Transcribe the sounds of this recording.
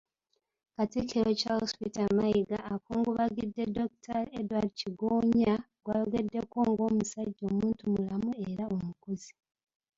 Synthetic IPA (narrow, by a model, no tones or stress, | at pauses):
katiceocahospitamaiɡaːkuːŋɡuβaɡidːe̞do̞ktʰaɾedwaɾiciɡoːɲa | ɡwaːjoɡe̞dːe̞ko̞ːŋɡo̞ːmusaɟːo̞ːmuːntumulamueɾaomukuzi̥